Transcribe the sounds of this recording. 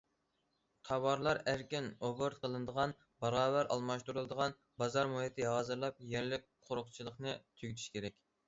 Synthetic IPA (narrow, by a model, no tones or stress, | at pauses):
qʰɑwɑɾlˠɑɾæɾkʲinoboɾt̪qʰəlˠɨnɨd̪əʁɑn | bɑɾɑːvæɾʔɑ̰lˠmɑʃt̪uɾulˠd̪əʁɑn | bɑzɑɾmuhɪt̪ʰɪɦɑːzɨɾlˠɑp̚jæɾlɪk̚ʲqʰoɾʊχt͡ʃʰilˠəχnɨt̪ʰyɡʲt̪ʰy̥ʃkʲʰeɾɛkʲ